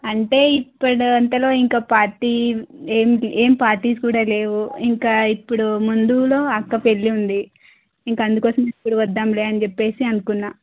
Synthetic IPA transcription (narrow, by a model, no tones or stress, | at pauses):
ɐɳʈe̞ːipːɐɽuɐnt̪ɐlo̞ːiŋkaːpaːɾʈiːeːmeːmipaːɾʈiːskuːɽaːle̞ːʋuiŋkaːipːuɽumund̪ulo̞ːɐkːɐpe̞lːiund̪i | iŋkaɐnd̪ukɔːsɐmipːuɽuʋɐd̪ːaːmleːɐnit͡ʃepːe̞ːsiɐnukunːaː